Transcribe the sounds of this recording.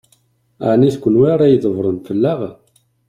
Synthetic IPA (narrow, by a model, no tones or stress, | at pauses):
ʕniθkʷːənwiɾˤæjðˤəvɾˤənfəlːaʁ